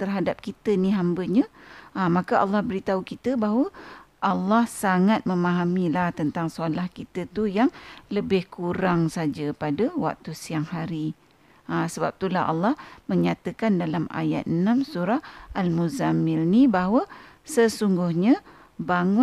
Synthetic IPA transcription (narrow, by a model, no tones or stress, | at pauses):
t̪ərɦadap̚kit̪əniɦambəɲaəmakəɑlːɑhbəɾit̪aukit̪əbaɦwəʔɑlːɑhsaŋat̪̚məmaɦamilaht̪ənt̪aŋsualahkit̪ət̪ujaŋləbɪhkuɾaŋsad͡ʒapadəwa̰k̚t̪usiaŋhaɾi | asəbap̚t̪ulaɦɑ̰lːɑhməɲat̪əkandalama̰jat̪̚ənamsuɾaalmuzamɪlnibaɦwəsəsuŋɡʊhɲə | baŋʊ